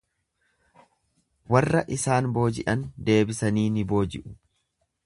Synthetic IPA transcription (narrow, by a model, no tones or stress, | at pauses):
wɐrːɐʔɪsaːnbo̞ːd͡ʒɪʔɐnd̪e̞ːbɪsɐniːnɪbo̞ːd͡ʒɪ̰ʔʊ̥